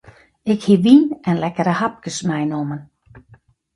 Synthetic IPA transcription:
ɪkhiʋinɛnlɛkəɾəhap̚kəsmɛjnomən

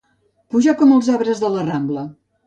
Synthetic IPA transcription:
puʒakɔməlˠzaβɾəzðələramblə

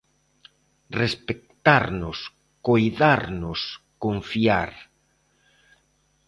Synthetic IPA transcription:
respek̚t̪aɾnʊs | kojðaɾnʊs | koɱfia̰ɾ

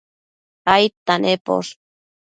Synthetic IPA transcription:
ajt̪anʔepo̰s

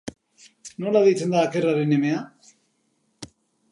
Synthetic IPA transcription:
no̞laðejt͡se̞nd̪aːke̞raɾenemea

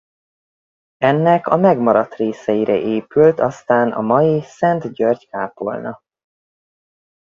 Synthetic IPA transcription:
ɛnːɛkɒmɛɡmɒɾɒt̪reːsɛjiɾʔɛʔeːpylt̪ɒst̪aːnʔɒ̰mɒjisɛnt̪ɟørɟkaːpo̰lnɒ

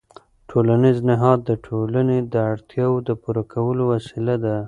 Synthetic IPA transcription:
ʈʰolaniznɪɦɑd̪ːəʈʰolaned̪əaɽt̪ʰjɑwod̪əpuɾakʰawəlowasilad̪a

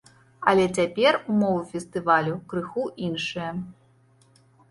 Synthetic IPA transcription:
ɐlʲɛt͡sʲapʲɛrumɔvufʲɛst̪ɨvalʲukɾɨxuʔinʂɨjɐ

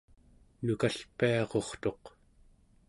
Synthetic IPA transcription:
nukaɬpiɑʁo̞χt̪o̞q

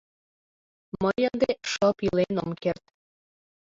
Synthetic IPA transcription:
məjənd̪eʃɤpilenomkert̪

